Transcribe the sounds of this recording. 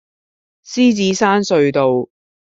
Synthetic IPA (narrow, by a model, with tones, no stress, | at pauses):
siː˥t͡siː˨˥saː˥nsɵ˧ɥt̪o˨w